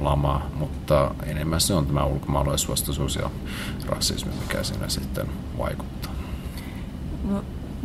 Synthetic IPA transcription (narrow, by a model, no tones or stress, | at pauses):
lɑmɑmut̪ːɑ | enemːæsːeont̪æmæulkomɑːloisuɑst̪ɑsuːsjɑ̰ | rɑ̰sːḭsmḭmikæ̰sḭnːæ̰sit̪ːen | ʋɑ̰iku̥t̪ːɑ̥ː | no